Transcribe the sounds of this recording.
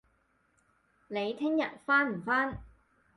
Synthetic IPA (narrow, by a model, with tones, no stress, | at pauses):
ne˨˧jt̪ʰɪ˥ŋjɐ˨t̚faː˥nm̩˨˩faː˥n